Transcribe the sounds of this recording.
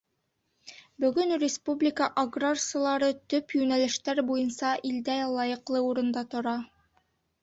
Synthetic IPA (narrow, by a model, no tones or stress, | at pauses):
bɵ̆ɡɵnrʲɪspublʲɪkəʔaɡrarsəlˠɑɾɤt̪ɵpjʉnælɘ̆ʃt̪æɾbujɤ̆nsɑʔild̪ælˠɑjɤ̆qlˠɤuɾɤ̆nd̪ɑt̪ŏɾɑ